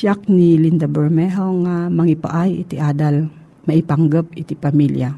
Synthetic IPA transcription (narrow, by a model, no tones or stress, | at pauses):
ʃak̚nilind̪abɛɹmɛɦowŋamaŋipa̰ʔajḭt̪iʔad̪al | maipaŋɡəp̚ɪt̪ipamilja